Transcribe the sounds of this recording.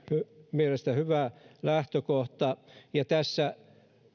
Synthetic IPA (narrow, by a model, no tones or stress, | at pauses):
hymielest̪æhyʋælæht̪økoht̪ɑjɑt̪æsːæ